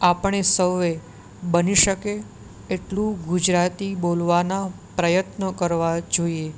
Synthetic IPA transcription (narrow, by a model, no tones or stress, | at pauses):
apəɳesəʋʋe | bəniʃəkeː | ʈlũɡud͡ʒɾat̪ibolʋanapɾəjət̪nəkəɾʋad͡ʒoie